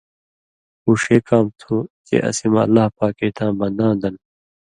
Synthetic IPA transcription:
uːʂeːkaːmt̪ʰutḛʔɐ̰simɐ̰lːaːhpaːkeːt̪ʰãːbɐ̃nd̪ãːd̪ɐn

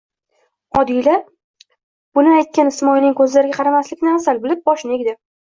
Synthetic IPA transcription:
ɒd̪ijla | b̥ʊnɪajt̪̚kʲanɪsmɒjnɪŋkʰɵzlaɾɪɡʲaqʰɑɾamaslɪkʲnɪasalbɪlɪp̚bɒʃneɡʲd̪ɪ

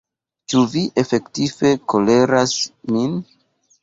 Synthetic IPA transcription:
t͡ʃuviʔe̞fe̞ktife̞ko̞le̞ɾasmin

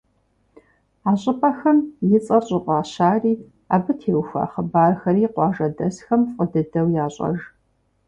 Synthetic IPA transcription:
aːɕʼɪpʼɐxɐmjɪt͡sʼɐɕʼɪqʷɑːɕaːriː | aːbɨtʰeːwxʷa̰ːχəbaːrxɐɾiːqʷɑːʒɐdɐsxɐmfʼədɨdɐwjaːɕʼɐ̰ʒ

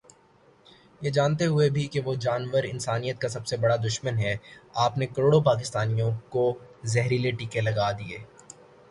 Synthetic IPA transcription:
jed͡ʒaːnt̪eɦʊebʱikeʋod͡ʒaːnʋəɾɪ̰nsaːnijət̪̚kasɐbsebɐɽad̪ʊʃmənɦɛaːpnekɐɾoːɽopaːk̬ɪst̪aːnijõkozɛɦɾileʈiːkelɐɡaːd̪ieː

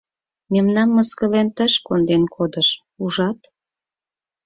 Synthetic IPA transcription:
memnɑmːəskəlent̪əʃkond̪enkʰod̪əʃ | uʒɑt̪

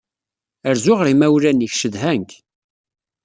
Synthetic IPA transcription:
əɾzʊʁɾimæwɾæniçʃəðɦæŋk

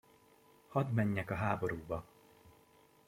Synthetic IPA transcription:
hɒd̪mɛɲːɛkɒɦaːbo̞ɾuːbɒ

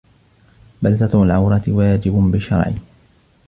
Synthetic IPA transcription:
balt̪at̪lʕawɾˤɑt̪ɪwaːd͡ʒɪbʊbɪʃːɑ̰ɾˤʕɪ̰

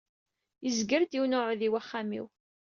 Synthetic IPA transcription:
jəzɡəɾd̪iwnʊʕðiwæχːamḭw

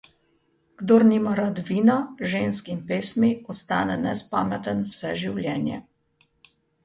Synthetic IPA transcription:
ɡ̥d̪oɾnimaɾad̪ʋiːnaʒenskinpeːsmiɔst̪a̰ːnɛnɛspaːmɛt̪ənwsɛʒiwlʲjɛːnjɛ̰

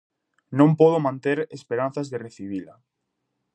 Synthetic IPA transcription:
nõmpɔð̞omãnt̪eɾespeɾanθazðereθiβila

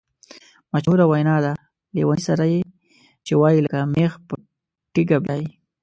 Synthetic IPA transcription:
maʃhuɾawajnɑd̪a | lḛwanisaɾaje | t͡ʃewɑjilakamexpə | ʈɪɡabjɑji

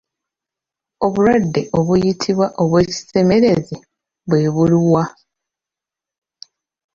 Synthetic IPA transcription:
o̞βuɾwadːe̞ʔo̞βujitʰiβwaʔo̞βwe̞ːci̥se̞me̞ɾe̞zi | βwe̞ːβuliwa

